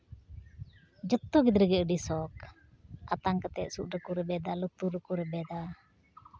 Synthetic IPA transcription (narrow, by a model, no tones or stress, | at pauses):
d͡ʒət̪ːɔɡid̪ɾəɡɛʔəɖisɔk | at̪aŋkət̪ɛʔ̪̚suʔɾəkuɾɛbɛd̪alut̪uɾəkuɾɛbɛd̪a